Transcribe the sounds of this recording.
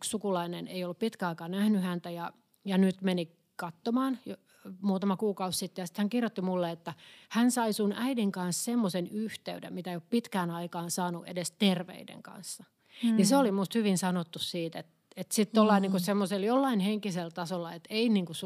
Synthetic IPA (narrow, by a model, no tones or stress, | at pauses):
kssukulɑinenḛijolːuppit̪kæɑikɑːnæhnyhænt̪æjɑ | jɑnyt̪meni | kɑt̪ːomɑːnjo | muːt̪ɑmɑkuːkɑussit̪ːejɑsi̥t̪hæŋkirjot̪ːimulːeet̪ːæhænsɑisunʔæidiŋkɑnssemːosenyht̪eydḛmmit̪æeioppit̪kæːnɑikɑːnsɑːnuʔḛdest̪erʋḛidḛŋkɑ̰nsːɑ | niseolimust̪hyʋinsɑnot̪ːussiːt̪et̪ | et̪sit̪t̪olːɑiniŋkusemːoseljolːɑinheŋkiselt̪ɑsolːɑet̪einiːŋkus